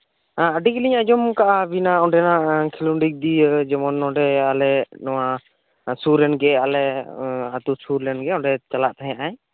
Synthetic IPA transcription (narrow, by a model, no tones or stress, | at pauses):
aəɖikilĩɲad͡ʒɔmkaʔabinaɔɖɛnakʰiluɳɖik̚d̪id͡ʒɛmɔnːɔ̃ɳɖɛalɛnɔwa | suɾɛnɡɛalɛat̪usuɾlɛnɡɛɔ̃ɳɖɛt͡ʃalaʔt̪aɦɛ̃ãʔaj